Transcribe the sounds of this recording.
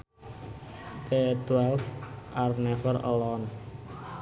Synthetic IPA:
t̪et̪wɛlfʔarnɛfəɾɔ̰lɔn

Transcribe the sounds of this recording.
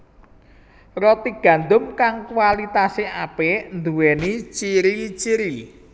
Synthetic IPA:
rɔt̪iɡ̥ä̤nd̪ʊmkaŋkwalit̪aseapend̪uwɛnit͡ʃiɾit͡ʃiɾi

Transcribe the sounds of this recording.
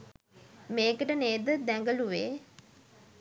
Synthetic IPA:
meːkəʈəneːd̪əd̪æŋɡəluʋeː

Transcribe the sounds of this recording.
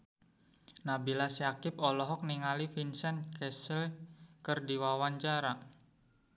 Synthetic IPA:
nabilasjakɪpɔlɔɦɔk̚niŋalifinsɛnkɛsəlkərdiwawaɲt͡ʃaɾa

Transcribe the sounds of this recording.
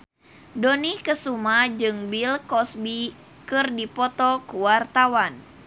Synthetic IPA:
donikəsumad͡ʒɨŋbilkɔsbi | kɨrdipɔt̪ɔkuwart̪awan

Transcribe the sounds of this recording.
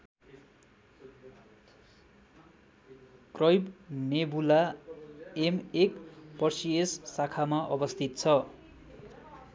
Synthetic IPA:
krʌjbnebula | emekpʌrsiesːakʰamaʔʌbʌst̪ʰit̪̚t͡sʰʌ

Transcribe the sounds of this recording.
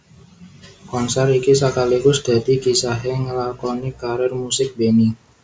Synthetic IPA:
kɔnsɛrikisakaliɡʊsd̪̥a̤d̪iɡisaɦɛŋəlakɔnikaɾɛrmusɪk̚beni

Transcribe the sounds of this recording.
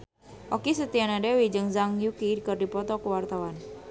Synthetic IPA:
ʔokisət̪ianadewid͡ʒɨŋzaŋjukikərdipɔt̪ɔkəwart̪awan

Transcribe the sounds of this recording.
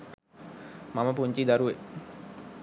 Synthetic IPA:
maməpuɲt͡ʃid̪aɾue

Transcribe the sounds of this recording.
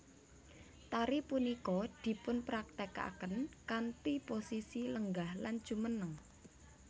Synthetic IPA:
t̪aɾipunikɔd̪̥i̤pʊnpɾak̚t̪eka̰ʔkənkant̪iposisiləŋɡahland̥ʒ̥ṳmənəŋ

